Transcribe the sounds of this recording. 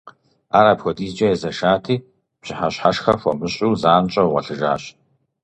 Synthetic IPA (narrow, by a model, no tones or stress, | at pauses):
aːɾaːpxʷɔdiːzd͡ʒɐjɛzɐʃaːtʰiː | pɕɪħaɕħaʃxɐfʷɔmɨɕʼuːzaːnt͡ʃʼɐwʁɐɬɨʒa̰ːɕ